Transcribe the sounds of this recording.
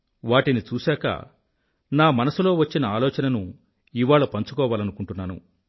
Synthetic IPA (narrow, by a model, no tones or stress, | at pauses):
ʋaːʈinit͡ʃuːsɛːkɐ̰ | naːmɐnɐsulo̞ːʋɐt͡ʃːinɐaːlɔːt͡ʃɐnɐnu | iʋaːɭɐpɐɲt͡ʃu̥kɔːʋaːlɐnukuɳʈunːaːnṵ